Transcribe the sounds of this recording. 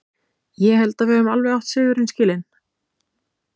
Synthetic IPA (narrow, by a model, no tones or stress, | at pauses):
jɛɦɛlt̪avɪʏmalvɛawht̪sɪːɣʏɾɪnscɪːlɪn